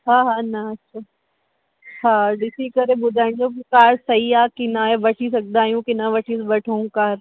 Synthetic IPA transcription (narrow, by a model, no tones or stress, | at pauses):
ɦaːɦaːnɐɐtːʃʰaː | ɦaːɖɪsikɐɾeɓʊd̪ʱaːɪnd͡ʑoːkkaːɾsɐiaːkɪnaːɦeʋɐʈʰis̬ɐk̚d̪aːɦijũkɪnaʋɐʈʰisʋɐʈʰoũkaːɾ